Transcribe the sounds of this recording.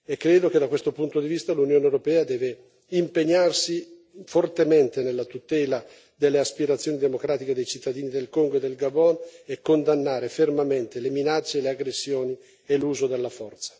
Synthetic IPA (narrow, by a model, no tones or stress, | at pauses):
ekːɾeːd̪ok̟ed̪ːakwest̪opunt̪od̪ivist̪alunjoːnewɾopɛːad̪ɛːve | impeɲːarsi | fort̪ement̪enelːat̪ut̪ɛːla | d̪elːeaspiɾat̪sːjoːnid̪emokɾaːt̪iked̪ejt͡ʃit̪ːad̪iːnid̪elkoŋɡoed̪elɡabɔnekːond̪anːaːɾefermament̪eleminat͡ʃːeleaɡɾesːjoːni | eluːzod̪elːafɔrt̪sḁ